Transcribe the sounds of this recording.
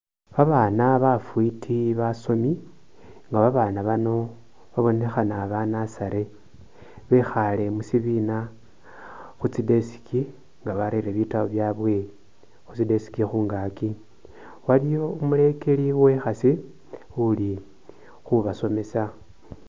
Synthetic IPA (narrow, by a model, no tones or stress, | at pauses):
βaβaːnaβafwitʰiβaso̞mi | ŋɡaβaβaːnaβano̞ | βaβo̞ne̞xanaβanasaɾe̞ | βexale̞musiβina | xut͡side̞si̥ki | ŋɡaβaɾeɾeβitaβoβjaβwe̞ | xut͡side̞si̥kixuːŋɡaki | walijo̞umule̞ke̞liwe̞xasi | uli | xuβaso̞me̞sa